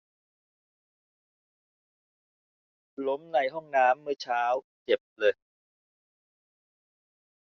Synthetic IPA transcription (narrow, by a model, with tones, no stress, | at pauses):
lo˦˥mna˧˩jɦɔ˥˩ŋnaː˦˥mːɯ˥˩ət͡ɕʰaː˦˥w | t͡ɕe˨˩p̚lɤː˧j